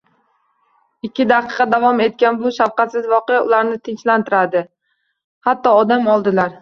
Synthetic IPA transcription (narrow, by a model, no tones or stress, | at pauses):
ɪkʲːɪd̪ɑqɨqɑd̪avɒme̞t̪̚kʲanbʊʃafqʰɑt̪sɪzvɒqejaʊlaɾnɪt̪ʰɪnt͡ʃlant̪ʰɪɾad̪ɪ | hat̪ːɒːd̪amɒlˠd̪ɪlaɾ